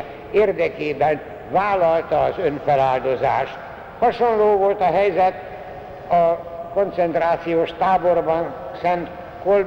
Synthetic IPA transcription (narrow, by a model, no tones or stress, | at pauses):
eːrd̪ɛkeːbɛn | vaːlɒlt̪ɒːzø̞nfɛlaːld̪o̞za̰ːʃt̪ | hɒʃo̞nloːvo̞lt̪ɒɦɛjzɛt̪ | ɒko̞nt̪sɛnt̪raːt̪sijoːʃt̪aːbo̞rbɒnsɛnt̪ | kol